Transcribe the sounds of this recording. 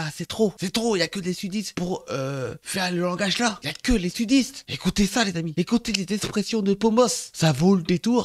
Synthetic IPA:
asɛt̪χosɛt̪χoiljakəd̪esyd̪ist̪puʁøfɛʁləlɑ̃ɡaʒlailjakəlesyd̪ist̪ekut̪esalezamiekut̪elezɛkspχesjɔ̃d̪əpomɔssavoləd̪et̪uːʁ

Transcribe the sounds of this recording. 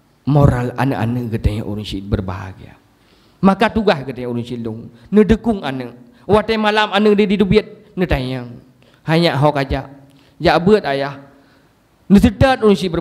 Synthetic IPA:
moɾala̰nəʔa̰nəʔɡət̪əɲə̰ʔṵɾəŋsit̪̚bərba̰ɦa̰ɡia̰ | makat̪uɡahɡət̪aɲãʔuɾuŋsiluŋnədəkuŋanəʔ | wat̪əmalamanədədit̪ubit̪̚ | nət̪aɲəŋ | haɲaʔɦakad͡ʒaʔ | d͡ʒaʔbət̪̚ajah | nəsədət̪̚uɾuŋsit̚bə

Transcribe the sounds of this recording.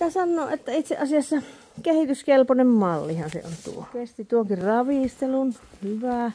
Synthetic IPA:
t̪æsɑnːoːʔʔet̪ːæit̪seʔɑsiɑsːɑ | kehit̪yskelponemmɑlːihɑnsḛo̰nt̪ṵopest̪it̪uoŋkirrɑʋiˑst̪elunhyʋæˑ

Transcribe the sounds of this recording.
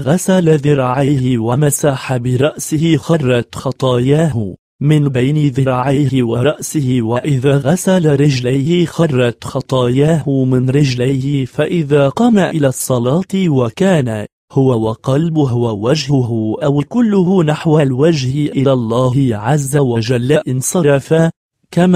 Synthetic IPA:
ɣasalaðɪɾˤɑʕajhɪwamasaːħabɪɾˤɑʔsɪhɪxɑrˤːɑt̪xɑt̪ˤɑːjaːhʊ | mɪnbajnɪðɪɾˤɑʕajhɪwaɾˤɑʔsɪhɪwaʔɪðaɣasalaɾɪd͡ʒlajhɪxɑrˤːɑt̪xɑt̪ˤɑːjaːɦʊmɪnɾɪd͡ʒlajhɪfaʔɪðaːqɑːmaʔɪlasˤːɑlɑːt̪wakaːna | hʊwawaqɑlbɦʊwawad͡ʒhʊɦʊʔawkʊlːʊɦʊnaħwalwad͡ʒhɪʔʔɪlalˤːɑːhɪʕazːawad͡ʒalːaʔɪnsˤɑɾˤɑfa | kam

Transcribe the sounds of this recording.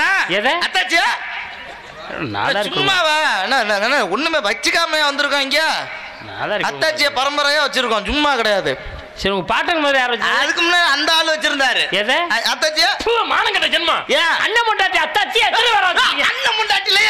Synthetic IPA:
naːɛðeɐt̪ːaːt͡ʃːɪjaː | na̰ːðaːd͡ʒɾʊmːaːʋaɛnːɐnːŋɐnːɐɔnːɯmeːʋɐt͡ʃːikaːmɐjãːʋɐnd̪ɯɾɯkːõːɪŋɡɐjaː | na̰ːðaɾɐːaːt͡ʃːɪjaːpɐɾɐmbɐɾɐjãːʋɐt͡ʃːɪɾɯkːõd͡ʒʊmːaːkɪɽɐjaːðɯ | sɪɾʊɡɐpaːʈɾɐŋɐmaːðɾijaːɾʋɐt͡ʃːɐðɯkːɯmʊnːaːlɐnd̪ɐaːlɯʋɐt͡ʃːɪɾɯnd̪aːɾɯɛðeɐt̪ːaːt͡ʃːɪjaːpumaːnɐŋɡɐʈːɐd͡ʒɐnmãːjaɐ̰nːɐmʊɳɖaːʈːɪɐt̪ːaːt͡ʃːɪjanɐʋɐɾãŋɡɐnːɐmʊɳɖaːʈːɪlɐ

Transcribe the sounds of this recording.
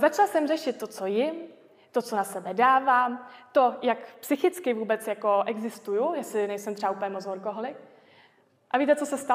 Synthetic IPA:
zat͡ʃalasɛmrɛʃɪt̪̚ːo̞t͡sojɪm | t̪o̞t͡so̞nasɛbɛdaːvaːmt̪o̞jakpsɪxɪt͡skɪvuːbɛt͡sjako̞ʔɛɡzɪst̪ujujɛsɪnɛjsɛmt̪r̥ɛbauːplɲɛmot͡soɾko̞ɦolɪk | ʔaviːt̪̬ɛt͡sosɛst̪a

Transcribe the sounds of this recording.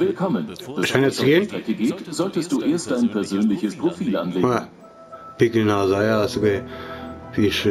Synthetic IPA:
vɪlkʰɔmənd̥aʃaɪnast͡suɡeːntʁ̥ɛkəɡeːtz̥ɔltəst̚d̥uːʔeːɐst̚d̥aɪnpʰɛɐzøːnlɪçəspʁ̥ofiːlʔa̰nleːaŋ | pɪkənaːzajasokɛ | viʃø

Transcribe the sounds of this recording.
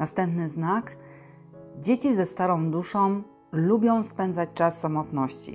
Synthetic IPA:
nast̪ɛmpnɘznak | d͡ʑet͡ɕizɛst̪aɾɔ̃w̃d̪uʂɔ̃w̃ | lubʲjɔ̃w̃spɛnd̪zat͡ɕt͡ʂasːamɔt̪nɔɕt͡ɕḭ

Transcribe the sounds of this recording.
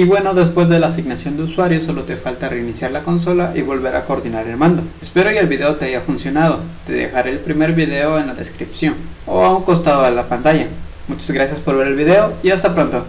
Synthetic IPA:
iβwe̞no̞ðe̞spwe̞zðe̞laːsiɣnasjo̞nd̪euswaɾjoso̞lo̞t̪efalt̪areinisjaɾlako̞ns̬o̞laʔiβo̞lβe̞ɾa̰ko̞ːɾðinaɾe̞lmãnd̪oespe̞ɾokeelβiðe̞ot̪e̞aʝafunsjo̞nað̞o̞t̪e̞ðḛxaɾe̞ːlpɾime̞ɾβiðe̞o̞e̞nlaðe̞̰skɾipsjo̞no̰auŋko̞st̪aðoðelapant̪aʝa | mut͡ʃazɣɾasjaspo̞ɾβe̞ɾe̞lβiðe̞o̞iast̪apɾo̞nt̪o̞

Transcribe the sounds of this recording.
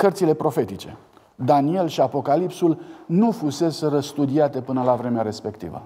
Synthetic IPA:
kərt̪sile̞pɾo̞fe̞t̪it͡ʃe̞̰ | d̪anie̞lʃiapo̞kalipsulnufuse̞sɾəst̪ud̪iat̪e̞pɨnəlavɾe̞meaɾe̞spe̞kt̪ḭvə̰

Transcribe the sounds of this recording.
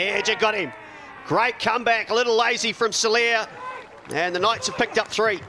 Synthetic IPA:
ɛd͡ʒɨɡɑɾɪ̃m | ɡ̥ɹeɪt̚kʰʌ̃mbækəlɪɾl̩ˠleɪzifɹʌ̃msəli | ɨ̃nðənaɪtsə̥pʰɪk̚tʌp̚θɹi

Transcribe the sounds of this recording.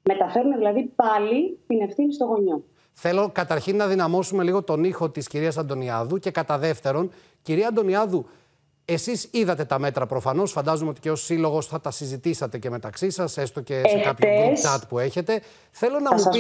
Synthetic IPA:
me̞t̪ɐfe̞ɾunðilɐðipɐlit̪ine̞fθinist̪o̞ɣo̞ɲo̞ | θe̞lo̞kɐt̪ɐɾçinːɐðinɐmo̞sume̞liɣo̞t̪o̞nixo̞t̪isciɾiɐsɐnd̪o̞niɐðuce̞kɐt̪ɐðe̞ft̪e̞ɾo̞n | ciɾiɐnd̪o̞niɐðu | e̞sisiðɐt̪e̞t̪ɐmet̪ɾɐpɾo̞fɐno̞sfɐnd̪ɐzumeo̞t̪i̥ceosilo̞ɣo̞sθɐt̪ɐsizit̪isɐt̪e̞ce̞me̞t̪ɐksisɐse̞st̪o̞ceefkɐpç̪et͡ʃɐt̪pue̞çe̞t̪e̞ | θe̞lo̞nɐmu

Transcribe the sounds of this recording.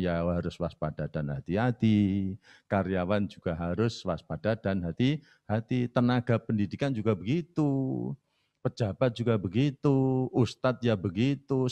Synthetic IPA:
jaɦaɾʊswaspad̥ad̥anɦat̪iɦat̪i | kaɾjawand͡ʒuɡ̥aɦaɾʊswaspad̥ad̥anɦat̪i | hat̪it̪ənaɡ̥apəndidikand͡ʒuɡabəɡit̪u | pə̥d͡ʒa̤b̥at̪̚d͡ʒ̥uɡabəɡit̪uust̪at̪̚jabəɡit̪u

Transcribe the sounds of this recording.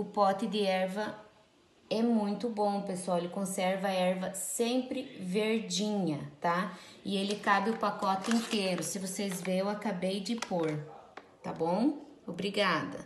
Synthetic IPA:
ʊpɔt̪ɪd̪ɪɛɾvɐ | ɛmũj̃t̪ʊbõpeswawelɪkõsɛɾvɐɐɛɾvɐsẽmpɾɪveɾd͡ʒĩɲɐt̪aɪelɪkabɪʊpakɔt̪ɪẽnt̪eɾʊsɪvosezvẽewakabejd͡ʒ̪ɪpoɾ | t̪abõw̃obɾiɡad̪ɐ̰

